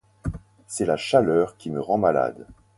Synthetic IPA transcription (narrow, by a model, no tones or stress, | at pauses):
sɛlaʃalœːʁkʲiməʁɑ̃mala̰d̪